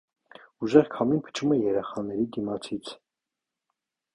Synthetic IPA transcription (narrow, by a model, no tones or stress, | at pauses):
uʒɛʁkʰɑminpʰə̥t͡ʃʰumɛjɛɾɛχɑnɛɾid̪imɑt͡sʰit͡sʰ